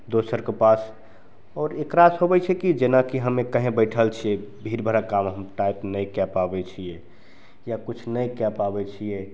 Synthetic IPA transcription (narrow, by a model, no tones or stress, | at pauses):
d̪osəɾkepas | ɔːɾekɾasɦobɛt͡ʃʰɛkid͡ʒenakiɦəmekəɦẽbəɪʈʰəlt͡ʃʰiebʱiɾbʱəɾakamɦəmʈaipnəjkapabɛt͡ʃʰije | jakut͡ʃʰnəjkapabɛt͡ʃʰije